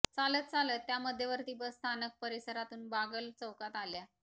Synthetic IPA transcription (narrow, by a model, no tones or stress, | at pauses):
t͡salət̪̚t͡salət̪ːjaməd̪ʱːjeʋəɾt̪iːbəst̪ʰanək̚pəɾisəɾat̪uːnbaɡəlt͡səwkat̪alja